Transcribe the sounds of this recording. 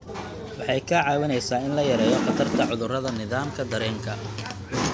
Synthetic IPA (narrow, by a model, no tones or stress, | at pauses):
wɑħɑjkʰɐʕɑːwɪnɛjsaːɪnlɐjɐɾɛːjɔqɑt̪ʰɐrt̪ʰɐʕʊðʊrɐðɐnɪðaːmkʰɐd̪ɐɾɛːŋkʰɐ